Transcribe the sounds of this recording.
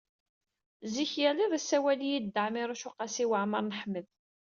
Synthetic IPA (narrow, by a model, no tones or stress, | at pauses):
ziçjæliðˤisːæwælijid̪ːəʕmiɾˤuʃʊqɑsiwəʕməɾˤnəħmːəð